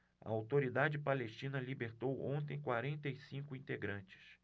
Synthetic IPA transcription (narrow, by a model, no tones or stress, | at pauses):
ɐ̰awt̪oɾid̪ad͡ʒɪpaleʃt͡ʃĩnɐlibeɾt̪owõ̰nt̪̬ẽj̃kwaɾẽnt̪ejsĩŋkʊĩnt̪eɡɾɐ̃nt͡ʃɪ̥s